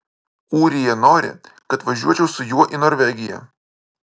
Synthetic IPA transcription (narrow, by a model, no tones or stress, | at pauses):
uːɾʲɪjɛnoːɾʲɪ̰kɐt̪ʋɐʒʲuɔt͡ʃʲɛʊsʊjuɔʔɪnɔɾʲʋʲɛɡʲɪjɛ̰